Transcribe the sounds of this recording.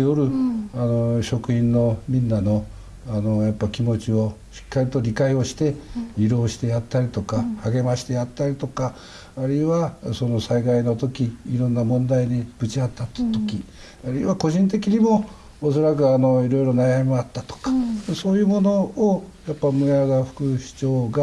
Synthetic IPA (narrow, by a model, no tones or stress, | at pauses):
eoɾɯ̟ano̞ɕo̞kɯ̟ĩnːo̞mʲĩnːano̞ | ano̞japːakʲimo̞t͡ɕio̞ɕi̥kːaɾʲit̪o̞ɾʲikaio̞ɕi̥t̪e̞iɾo̞ːɕi̥t̪e̞jat̪ːaɾʲit̪o̞kahaɡe̞maɕi̥t̪e̞jat̪ːaɾʲit̪o̞kaː | ɾɯiβaso̞no̞saiɡaino̞t̪o̞kʲiːɾõ̞nːamõ̞nd̪aiɲib̥ɯ̟t͡ɕiat̪ːat̪t̪o̞kʲi | aɾɯ̟iβako̞ʑĩnt̪̬e̞k̬ʲiɲ̟imo̞ː | so̞ɾak̬ɯ̟ano̞iɾo̞iɾo̞najamʲimoat̪ːat̪o̥kḁso̞ːjɯ̟mo̞no̞ːjapːamɯ̟aɡaɸɯ̥kɯ̟ɕi̥t͡ɕo̞ːɡa